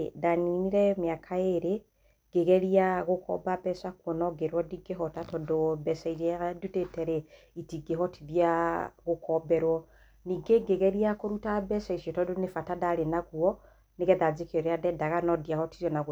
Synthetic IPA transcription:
daniniɾɛmjakʰaeɾe | ɡ̥eɣɛɾiaɣokʰɔ̰babɛsakwɔnɔɡeɾwɔdiɡeɦɔtatɔdobɛsaisadutetɛɾɛ | itiɡeɦɔtiðjaɣokʰɔbɛɾwɔ | niɡeɡeɣɛɾiakoɾutabɛsaisiɔtɔdonefatadaɾenaɣuɔ | neɣɛðad͡zekɔɾeadɛdaɣanɔdiahɔtiɾjɔnaɣ

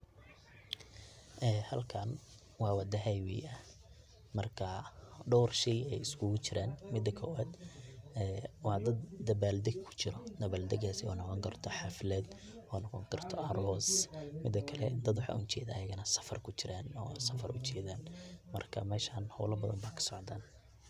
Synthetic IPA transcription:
ʔɛːhɐlkʰɐn | wɑːwɑd̪ɐɦɛjwɪjʔɐ | mɐrkʰɐɖɔwrʃɛjɛjɪskʰuːɣʊt͡ʃɪɾaːnmɪd̪ːɐkʰɔwaːd̪ɛːwɑd̪ɐd̪d̪ɐbaːld̪ɛɡ̚kʰʊ̥t͡ʃɪɾɔd̪ɐβaːld̪ɛɡaːsɪɔ̰ːnɔqɔːŋkʰɐrt̪ʰɔħaflɛːd̪ | ɔːnɔqɔːŋkʰɐrt̪ʰɔʔɐɾɔsmɪd̪ːɐkʰɐlɛd̪ɐd̪wʊħa̰ʔʊ̰nt͡ʃɛ̰ːd̪ɐːjɐɣɐnɐsɐ̥fɐrkʰʊt͡ʃɪɾaːnɔ̰sɐfɐrʔʊt͡ʃʰɛːðaːnmɐrkʰɐ̰mɛːʃaːnhɔ̰ːlɐbɐðɐ̰mbaːkʰɐ̥sɔʕd̪aːn

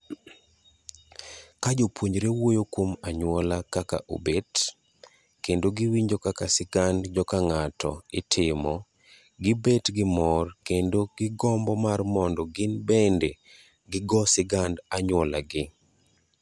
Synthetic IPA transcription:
kad͡ʒopwoɲɾewojokwomaɲwɔlakaka̰ʔo̰bet | kendoɡiwiɲd͡ʒokakasɪɡandd͡ʒɔkaŋatɔ̰ɪtʰɪmɔ | ɡɪbetɡɪmɔrkendoɡɪɡɔmbɔmarmɔndɔɡɪnbende | ɡɪɡɔsɪɡandaɲwɔla̰ɡɪ

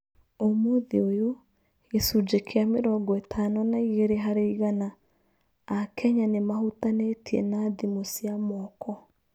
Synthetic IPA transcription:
omoðiojo | esud͡ʒekʰeameɾɔɡɔetʰanɔnaiɣeɾeɦaɾeiɣanaː | kʰɛɲanemahutanetiɛ̰naðimosiamɔkʰɔ

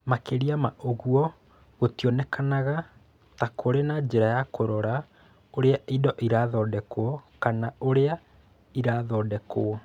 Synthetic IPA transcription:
makeɾiamaʔoɣuɔ | ɣotiɔnɛkʰanaɣa | takʰoɾenad͡ʑeɾajakoɾɔɾa | oɾeaʔidɔʔiɾaːðɔdɛkoɔkanaoɾea | iɾaðɔːdɛkoɔ

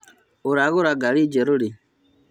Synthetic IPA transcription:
uɾaɣoɾaɡalid͡ʒɛɾuɾi

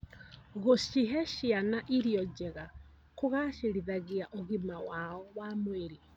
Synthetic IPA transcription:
ɣoʃiɦɛʃianaʔiɾiɔd͡ʒɛɣa | koɣaʃeɾiðaɣeaʔoɣimawaɔwamweɾi

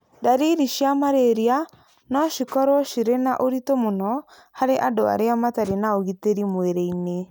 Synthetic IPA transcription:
daɾiɾiʃijamaɾeɾia | nɔʃikɔɾwɔʃiɾenaʔoɾitomonɔ | haɾeʔadoa̰ɾeamataɾenaoɣiteɾimweɾeine

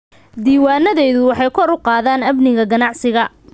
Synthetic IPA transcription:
d̪iːwaːnɐðɛjðʊwɑħɑjkʰɔɾʊqɑːðaːnɐbnɪɣɐɡɐnɑʕsɪɣɐ

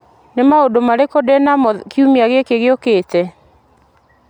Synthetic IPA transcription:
nemaodomaɾekodɛnamɔðkiumiaɣekeɣeokeːtɛ

